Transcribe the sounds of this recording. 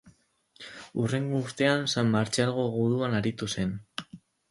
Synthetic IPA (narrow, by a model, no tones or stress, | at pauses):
ure̞ŋɡouɾt̪e̞ansamːaɾt͡ʃalɣ̞o̞ɣuðuanaɾit̪use̞n